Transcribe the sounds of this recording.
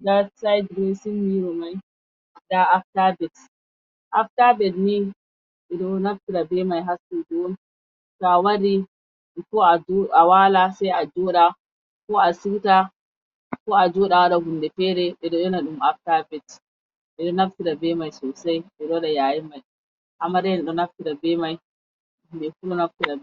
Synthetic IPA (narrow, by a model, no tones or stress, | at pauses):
dasajdɾesinːiɾɔmaj | daʔaftabɛt | ʔaftabɛtni | ɓɛɗɔnaftiɾabɛmajɦasːud͡ʒon | kawaɾi | kɔad͡ʒawalasajad͡ʒɔɗa | kɔasiwta | kɔad͡ʒɔɗawaɗaɡundɛfɛɾɛɓɛɗɔɗɔnaɗumaftabɛt | ɓɛɗɔnaftiɾabɛmajsɔsajɓɛɗɔɗajajimaj | hamaɾɛnɗɔnaftiɾabɛmaj | bɛfuɗɔnaftiɾab